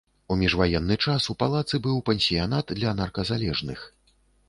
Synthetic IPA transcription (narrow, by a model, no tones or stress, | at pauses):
umʲiʐvajɛnːɨt͡ʂasupalˠat̪sɨbɨwpɛnʲsʲijanat̪d̪lʲɐnarkɐzalʲɛʐnɨx